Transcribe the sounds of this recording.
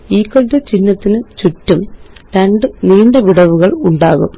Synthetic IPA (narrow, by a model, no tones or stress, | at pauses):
iːkːoɭʈɨt͡ɕinːɐt̪ːinɨt͡ɕutːumɾɐɳɖɨniːɳɖɐʋiɽɐʋuɣɐɭuɳɖaːɣṵm